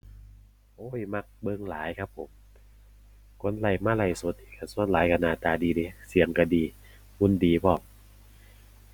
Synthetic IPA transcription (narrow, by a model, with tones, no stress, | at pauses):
ʔoː˧˥˨jma˧˩k̚bɤ˧˨ŋlaː˨˦jkʰa˦˥p̚ʰːo˨˦m | kʰo˧˥˨nla˧˩jmaː˧˨la˧˩jso˧˦t̪̚i˧˩kʰa˧˩su˧˥ə˨nlaː˨˦jka˧˩naː˧˩t̪aː˧˩diː˨˧diː˧˦si˨˦əŋka˧˩diː˧ | hu˧˥˨ndiː˨˩bʰɔː˧˩p̚